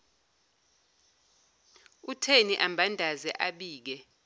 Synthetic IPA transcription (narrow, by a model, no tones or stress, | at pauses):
utʰeniʔambʱandʱazɛʔaɓiːk̬ɛ